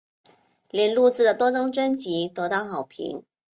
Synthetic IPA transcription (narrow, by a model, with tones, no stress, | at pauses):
ljɛ˨˩nlu˥˧t͡sɹ̩˥˩d̪ə˩t̪wɔ˥t͡sɤ˥ŋʈ͡ʂə˥nt͡ɕi˧˥t̪wɔ˧˥t̪ɑ˥˩ʊxɑ˨˩ʊpʰḭ˧˥ŋ